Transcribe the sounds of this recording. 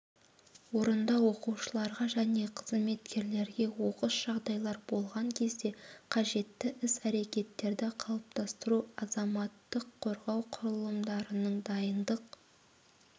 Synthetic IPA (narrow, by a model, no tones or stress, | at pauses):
wo̞ɾənd̪ɑwo̞quwʃəlˠɑɾʁɑʒæne̞qʰəzme̞t̪kʲʰe̞ɾle̞ɾɡʲe̞wo̞qəsʒ̥ɑʁd̪ɑjlˠɑɾbo̞lˠʁɑŋkʲʰe̞zd̪e̞qʰɑʒe̞t̪ːɪʔɪsæɾe̞kʲe̞t̪ːe̞ɾd̪ɪqʰɑlˠəp̚t̪ɑst̪əɾuɑzɑmɑt̪ːəqʰːo̞ɾʁɑwqʰʊɾəlˠəmd̪ɑɾənəɴd̪ɑjənd̪əq